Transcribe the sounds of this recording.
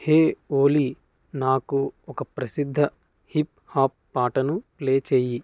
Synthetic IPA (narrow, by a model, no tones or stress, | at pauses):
heːoːli | naːkuɔkɐpɾɐsid̪ʱːɐ | hip | haːpːaːʈɐnupleːt͡ʃeːji